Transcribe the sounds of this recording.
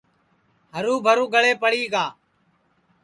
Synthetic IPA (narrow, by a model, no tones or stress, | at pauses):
ɦəɾũːbʱəɾũːɡəɭeːpəɽiːɡaː